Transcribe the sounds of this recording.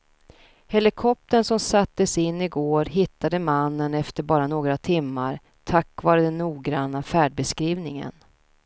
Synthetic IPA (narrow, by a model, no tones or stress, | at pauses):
hɛlɪkʰɔp̚t̪əɳsɔmsat̪ːəsɪnːɪɡoːɾɦɪt̪ːad̪əmanːənɛft̪əɾbɑːɾanoːɡɾat̪ʰɪmːaɾ | t̪ʰakːvɑːɾəd̪ɛnːuːɡɾanːafæːɖ̚bɛskɾiːvnɪŋə̰n